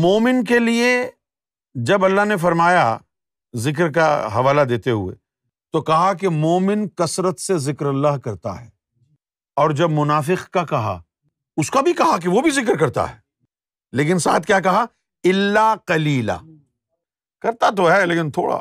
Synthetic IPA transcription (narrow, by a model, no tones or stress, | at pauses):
moːmɪnk̬elie | d͡ʒɐbɐlːaɦnefɐɾmaːja | zɪk̬ɾkaɦɐʋaːlad̪eːt̪eɦuḛ | t̪okɐɦak̬emoːmɪnkɐsɾət̪sezɪkɾɐlːaɦkɐɾt̪a̰ɦɛ̰ː | ɔːɾd͡ʒɐbmʊnaːfɪqkakɐɦa̰ | ʊskabʱikɐɦak̬eʋobʱizɪk̬ɾkɐɾt̪a̰ɦɛː | leːk̬ɪnsa̰ːt̪ʰkjaːk̬ɐɦa | ɪlːaqɐliːla̰ː | kɐɾt̪at̪oɦɛleːkɪnt̪ʰo̰ːɽa̰